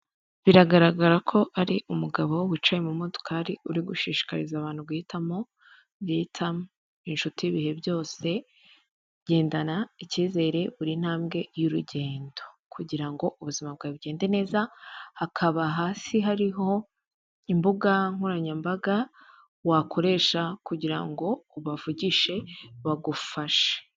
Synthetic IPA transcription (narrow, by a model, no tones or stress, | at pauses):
βiɾaɡaɾaɡaɾakʰo̞ʔaɾiʔumuɡaβo̞wit͡ʃajemumodo̥kʰaːɾiuɾiɡuʃiːʃi̥ka̰ɾḭzaːβaːn̥ubɡitʰamo̞ | bɡitʰam | inʃutiiβihe̞bjo̞ːse̞ | ɟe̞ːndanaiciːze̞ːɾe̞βuɾin̥haːmɡe̞juɾuɟe̞ːndo̞̥ | kʰuɟiɾaŋɡo̞ʔuβuzimab̚ɡaːiβuɟe̞ːnde̞ne̞ːzahakʰaβaɦaːsiɦaɾiɦo̞ | imbuɡaŋ̥huɾaɲambaɡa | wakʰo̞ɾe̞ːʃakuɟiɾa̰ŋɡo̞ːβavuɟiʃe̞βaɡufaʃe̥